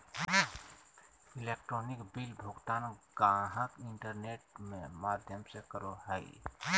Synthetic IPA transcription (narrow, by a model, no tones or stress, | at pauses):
ilek̚ʈɾoːnikbilbʱʊɡt̪aːnɡãɦəkɪɳʈəɾneːʈ̚mẽmaːd̪ʱjəmsekəɾoɦəi